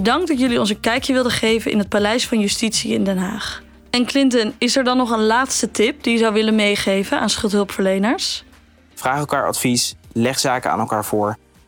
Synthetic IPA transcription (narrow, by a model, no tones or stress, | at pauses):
dɑŋɡ̚dɑtjɵliɔnsənkɛjkjəʋɪlˠdəχejvənʔɪ̰nɦət̚palɛjsfɑnjystitsiɪ̰ndɛnɦaːχ | ɛnklɪntənɪsɛɹdɑnɔχənlaːtstətɪp̚d̥ijəzɑwʋɪlənmejχejvənʔaːnsχʏlˠtɦɵlˠpfəɹlejnəɹs | vraːχɛlˠkaːɹɑ̰tfislɛχsaːkəa̰ːnɛlˠkaːɹvʊːɹ